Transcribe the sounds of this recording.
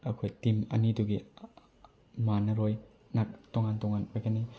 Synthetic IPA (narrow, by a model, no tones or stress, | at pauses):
ɐkʰojtimɐ̰niduɡi | manɐɾoj | nak̚toŋantɔŋanpajɡɐni